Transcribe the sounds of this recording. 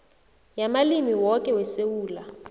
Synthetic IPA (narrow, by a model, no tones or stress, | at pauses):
jamalimiwɔkʼɛwɛsewuːla